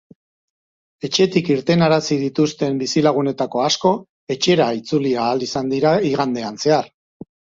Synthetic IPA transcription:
e̞t͡ʃe̞t̪ikiɾt̪e̞naɾasið̞it̪ust̪e̞mbisilaɣ̞une̞t̪ako̞asko̞ | e̞t͡ʃe̞ɾait͡suliaːlisand̪iɾaiɣand̪e̞anse̞aɾ

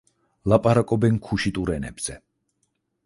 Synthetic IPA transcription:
lapʼaɾakʼɔbɛnkʰuʃit̪ʼuɾɛnɛ̰bz̥ɛ

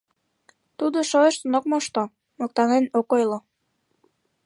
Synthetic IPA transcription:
t̪ud̪oʃoeʃsonok̚moʃt̪o | mok̚t̪ɑnenokojlo

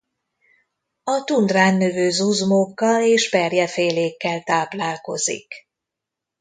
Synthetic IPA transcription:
ɒt̪und̪raːnːøvøːzuzmokːɒleːʃpɛrjɛfeːleːkːɛlt̪aːplaːlko̞̰zḭk

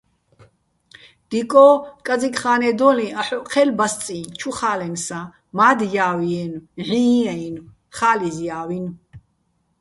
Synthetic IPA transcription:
d̪̥ikʼɔkʼad͡zikʰʼχaːnɛd̪ɔlĩaħɔqʰɛlbast͡sʼint͡ʃʰuχaːlɛnsa | maːd̪jaːwiɛnʕĩɛin | χaːlizjaːwin

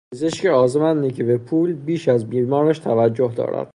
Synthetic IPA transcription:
pʰezeʃceɒːzemænːicʰebe̞pʰuːlbiːʃæzmiːɾmɒːɾæʃt̪ʰævæd͡ʒːoɦd̪ɒ̰ːɾæ̰d̪̥̚

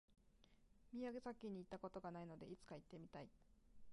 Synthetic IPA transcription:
mʲiaɡe̞sakʲːiɲ̟ːiːt̪ːako̞t̪o̞ɡanaino̞d̪e̞it͡sɨ̥kait̪ːe̞mʲit̪ai

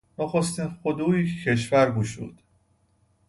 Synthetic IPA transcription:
noxost̪iːnxod̪uːjicʰe̞ʃ̬væɾɡuːʃṵːd̪̥

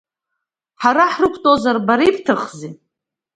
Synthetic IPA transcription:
ħaɾaħrɨkʷʰtʼozarbaɾipʰtʰɨχzi

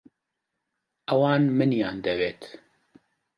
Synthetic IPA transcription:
ʔɛwɑːnmɨnjaːnd̪ɛveːt̪

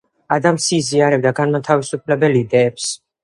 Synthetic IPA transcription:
ad̪amsiːziaɾɛb̚d̪aɡanmat̪ʰavisupʰlɛbɛlid̪ɛːps

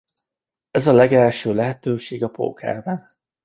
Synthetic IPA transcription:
ɛzɒlɛɡɛlʃøːlɛɦɛt̪øːʃeːɡɒpo̰ːkʰɛ̰rbɛn

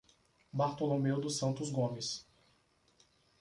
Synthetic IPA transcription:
baɾt̪olomewd̪ʊsɐ̃nt̪ʊzɡõmɪs

